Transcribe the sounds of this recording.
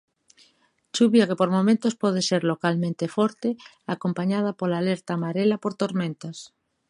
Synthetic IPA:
t͡ʃuβjakepoɾmomẽnt̪ospoð̞eseɾlokalmẽnt̪efoɾt̪e | ako̞mpaɲað̞apolaleɾt̪amaɾelapoɾt̪oɾmẽnt̪as

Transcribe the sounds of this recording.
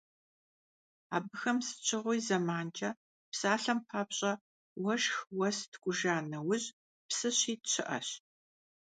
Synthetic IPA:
a̰ːbɨxɐmsɨ̥t͡ʃʰɪʁʷʊjzɐmaːnt͡ʃʰʼɐ | psaːɬɐmpʰaːpɕʼɐ | wɐʒxwɐstʰɡʷʊʒaːnɐwʊʑ | psɨɕiːtɕʰɪʔɐ̰ɕ

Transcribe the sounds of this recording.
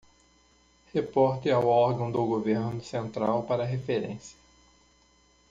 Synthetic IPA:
hepɔɾt̪ɪawɔɾɡɐ̃w̃d̪ʊɡoveɾnʊsẽnt̪ɾawpaɾɐɦefeɾḛ̃sjɐ̥

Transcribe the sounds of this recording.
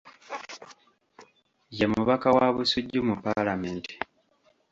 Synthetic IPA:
jemuβakawaβusuɟːumupːalameːnti̥

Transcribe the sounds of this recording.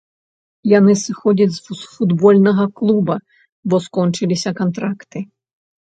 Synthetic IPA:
janɨsɨxɔd͡zʲɐd͡zʲzfud̪bɔlʲnɐɣɐklˠubɐ | bɔskɔnt͡ʂɨlʲisʲɐkant̪ɾakt̪ɨ

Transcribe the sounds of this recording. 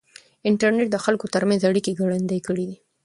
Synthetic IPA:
ɪɳʈaɾneʈ̚d̪əxalkot̪əɾmanzaɽikeɡaɽand̪ajkəɽid̪i

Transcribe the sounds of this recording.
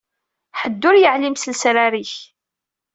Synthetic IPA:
ħəd̪ːʊɾjəʕlimsəlsɾaɾiç

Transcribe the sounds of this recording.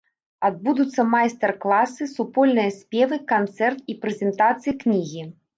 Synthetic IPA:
ad̪̚bud̪ut̪sːɐmajst̪ɛrklˠasɨsupɔlʲnɨjɐsʲpʲɛvɨkant̪sɛrt̪ipɾɛzʲɛnt̪at̪sɨjiknʲiɣʲi

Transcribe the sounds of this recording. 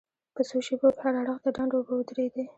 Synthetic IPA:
pəsoʃebokehaɽaɽəxd̪əɖɑɳɖobaʊd̪ɾed̪e

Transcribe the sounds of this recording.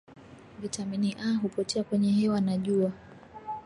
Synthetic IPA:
vitaminiʔaɦupɔtʰɛakwɛɲɛɦɛwanaʄua

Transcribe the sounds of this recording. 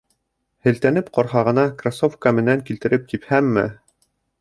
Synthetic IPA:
hɘ̆lt̪ænɘpqɒɾɦɑʁɤ̆nɑkrasofkamɘ̆næŋkilt̪ɘ̆ɾɘp̚t̪iphæmːɘ̰

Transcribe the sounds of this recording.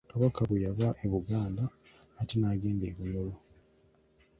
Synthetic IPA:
kaβakaβejavaʔeβuɡaːndaː | tenaːɡe̞ːndeːβuɲolo

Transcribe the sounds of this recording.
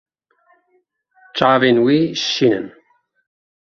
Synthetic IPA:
t͡ʃaːvinwiːʃinə̰n

